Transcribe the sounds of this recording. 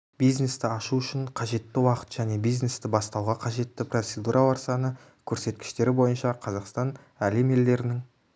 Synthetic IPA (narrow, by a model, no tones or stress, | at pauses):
bijzne̞st̪ɪɑʃuʏʃɪɴqʰɑʒe̞t̪ːɪwɑqə̥t̪ʒ̥æne̞bijzne̞st̪ɪbɑst̪ɑwʁɑqʰɑʒe̞t̪ːɪprot̪se̞d̪uɾʔɑwɑɾsɑnə | kʲʰɵɾse̞t̪kʲɪ̥ʃt̪e̞ɾɪbo̞jənʃɑqʰɑzɑqst̪ɑn | æleme̞ld̪e̞ɾɪnɪŋ